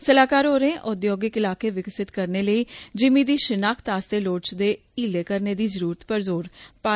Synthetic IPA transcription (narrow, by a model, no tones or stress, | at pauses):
səlaːkaːɾɦoːɾẽːʔʊd̪joːɡɪkɪlaːkeːʋɪksɪt̪kəɾneːləiːd͡ʒɪmĩːd̪iːʃɪnaːkʰt̪aːst̪eːloːɽt͡ʃd̪eː | iːleːkəɾneːd̪iːzəɾuːɾət̪pəɾzoːɾpaː